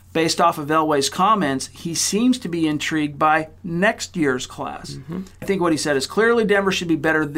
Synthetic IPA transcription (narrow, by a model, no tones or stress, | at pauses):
b̥eɪstɔfəvɛlˠweɪz̥kʰɑmɛ̃ntshisĩmz̥tʰɨbiɨ̃ntʰɹ̥iɡ̚d̚baɪnɛkst̚jɪɹz̥kʰl̥æ̰sɪθɪ̃ŋkwʌt̚hisɛɾɨz̥kʰl̥ɪɹlˠidɛ̃mə˞ʃɨd̚bibɛɾə˞ð